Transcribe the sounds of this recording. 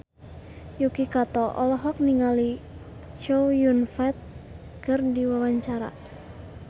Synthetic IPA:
jukikat̪ɔʔɔ̰lɔɦɔk̚niŋali | t͡ʃowjunfɛt̪̚ | kərdiwawaɲt͡ʃaɾa̰

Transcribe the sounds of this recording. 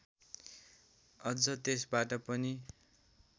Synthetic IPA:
ʌd͡zʌt̪esbaʈʌpʌni

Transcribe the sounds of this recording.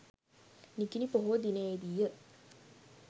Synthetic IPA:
nikinipoɦod̪inəjed̪ijə

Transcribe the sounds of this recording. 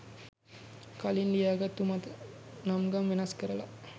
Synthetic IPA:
kalind̪ijaːɡat̪umat̪ənamɡamʋenɐskəɾəla

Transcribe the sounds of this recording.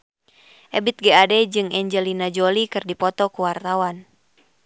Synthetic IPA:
ʔɛbit̪̚ɡɛadɛd͡ʒɨŋɛɲd͡ʒɛlinad͡ʒolikɨrdipɔt̪ɔkuwart̪awan

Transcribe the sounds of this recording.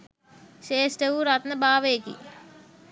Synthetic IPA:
ʃeːsʈeuɾat̪nəbaːʋeːkḭ

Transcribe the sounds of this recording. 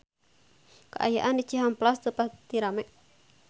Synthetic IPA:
ka̰ʔa̰ja̰ʔandit͡ʃiɦamplast̪əpat̪iɾamɛ

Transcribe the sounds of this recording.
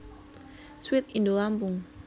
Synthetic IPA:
swɪt̪̚indolampʊŋ

